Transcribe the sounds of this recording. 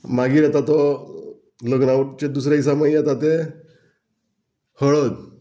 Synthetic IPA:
maɡiːɾat̪at̪ɔ | ləɡnawʈt͡ɕed̪us̬ɾais̬aməijat̪at̪e | həɭət̪

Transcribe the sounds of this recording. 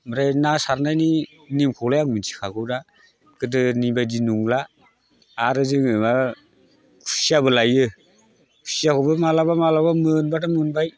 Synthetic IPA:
maɾajnasaɾnajni | nimkʰɔlajaŋminsʰi̥kʰaɡɯwda | kɯdɯnibajdinuŋlaː | ɾɯzɯŋɯma | kʰu̥siabɯlajɯ | kʰu̥sijakʰɔbɯmalabamalabamɯnbatamɯnbaj

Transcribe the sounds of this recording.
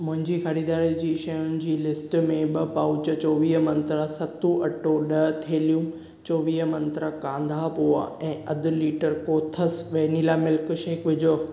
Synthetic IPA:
mʊ̃ɦɪ̃ɲd͡ʑiːxɐɾiːd̪aːɾid͡ʑiːʃɐjʊnɪ̆d͡ʑiːlɪsʈmẽɓɐpaːʊt͡ɕət͡ɕɔːʋiːɦmɐ̃nt̪ɾasɐt̪ũʔɐʈoɗɐt̪ʰeːlijũ | t͡ɕɔːʋiːɦmɐ̃nt̪ɾakãːnd̪ʱaːpoːa̰ɛ̃ːʔɐd̪ʱʊ̆liːʈəɾkoːt̪ʰəsʋeːniːlaːmɪlkʃeːkʋɪd͡ʑoː

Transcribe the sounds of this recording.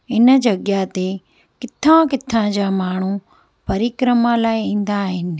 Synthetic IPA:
ɪnəd͡ʑɐɡjat̪e | kɪt̪ʰãkɪt̪ʰãd͡ʑaːmaːɳ̤u | pɐɾikɾəmalaːɪĩːn̆d̪aːɦɪnɪ̆

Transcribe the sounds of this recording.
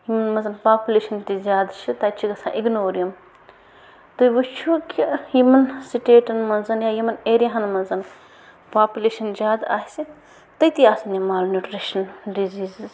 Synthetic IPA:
jimɐnmɐzɐnpaːpʲuleːʃɐnt̪izʲjaːd̪t͡ʃʰit̪aːt͡ʃʰiɡɐsʰã̰ːʔiɡnoːɾijɐm | t̪ujʋut͡ʃʰukʲijimɐnsiʈeːʈɐnmɐnzɐnjaːjimɐneːɾjaɦɐnmɐnzɐn | paːpʲuleːʃɐnzʲjaːd̪aːɦisi | t̪ɐjt̪iaːsɐnimaːlnuʈɾiʃɐnɖiziːzz

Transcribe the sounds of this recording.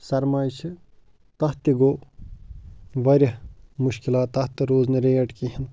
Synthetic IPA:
sɐɾmaːjt͡ʃʰi | t̪ɐht̪iɡoː | ʋɐɾʲɐmuʃkilaːt̪ːɐht̪iɾoːznɐɾeːjɐʈkiɦɐn

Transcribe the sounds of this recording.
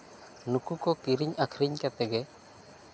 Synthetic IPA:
nukukɔkiɾiɲakʰɾiɲkat̪ɛɡɛ

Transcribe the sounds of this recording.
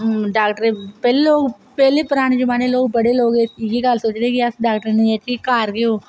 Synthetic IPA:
ɖaːkʈəɾepɛːleloːɡ | pɛːlepʊɾaːɽ̃ed͡ʒʊmaːneloːɡ̚bɐɽeloːɡeɡikaːlsoːt͡ʃd̪eɛ̃kiasɖaːkʈəɾneɛtiikaːɾkeɦoː

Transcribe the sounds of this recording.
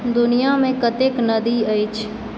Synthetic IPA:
d̪ʊnijamẽkət̪eknəd̪iəjt͡ʃʰ

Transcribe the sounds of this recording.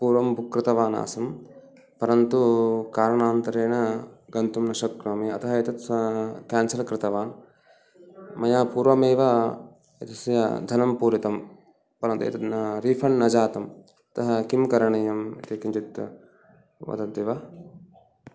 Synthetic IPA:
puːɾʋɐmbʱukɾɪt̪ɐʋaːna̰ːsɐm | pɐɾɐnt̪ukaːɾɐɳaːnt̪ɐɾeːnɐɡɐnt̪umnɐʃɐkɾɐmiɐ̰t̪ɐɦɐet̪ɐt̪kaːnsɐlkɾɪt̪ɐʋaːn | mɐjaːpuːɾʋɐmeːʋɐ | et̪ɐsjɐ̰d̪ʱɐnɐmpuːɾit̪ɐm | pɐɾɐnt̪uḛt̪ɐt̪nɐɾiːpʰɐɳnɐd͡ʒaːt̪ɐm | ɐt̪ɐɦɐkimkɐɾɐɳɐjɐmit̪ikiɲt͡ʃit̪ | ʋɐ̰t̪ɐd̪eːʋɐ

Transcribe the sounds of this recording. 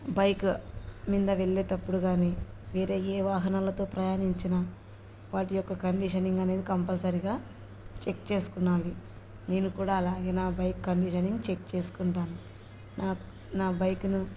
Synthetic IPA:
bɐjkmind̪ɐʋe̞ɭːeːt̪ɐpːuɽuɡaːniːʋeːɾe̞ːeːʋaːɦɐnaːlɐt̪o̞ːpɾɐjaːniɲt͡ʃinaː | ʋaːʈijɔkːɐkɐɳɖiʃɐniŋɡɐne̞ːd̪ikɐmpɐlsɐɾiɡaː | t͡ʃe̞k̚t͡ʃe̞ːsu̥kunːaːli | ne̞ːnukuːɽaːɐlaːɡeːnaːbɐjkːɐɳɖiʃɐniŋɡt͡ʃe̞k̚t͡ʃe̞ːsu̥kuɳʈaːnu | naː | naːbɐjkunu

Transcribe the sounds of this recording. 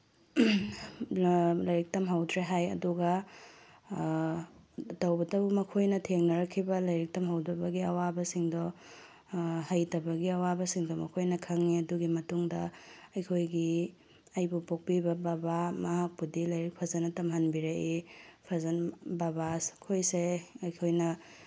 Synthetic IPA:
lɐjɾik̚tɐmɦɐwdɾeɦajɐduɡɐ | tɐwbɐtɐbumɐkʰojnɐtʰeŋnɐɾɐkʰːibɐlɐjɾik̚tɐmɦɐwdɐbɐɡiɐwabɐsiŋdɔ | hɐjtɐbɐɡiɐwabɐsiŋdɔmɐkʰojnɐkʰɐŋiɐduɡimɐtuŋdɐɐjkʰojɡi | ajbupok̚pibɐbabamɐɦak̚pudilɐjɾik̚pʰɐzɐnɐtɐmɦɐnbiɾeʔepʰɐzɐnbabaskʰojseɐjkʰojnɐ

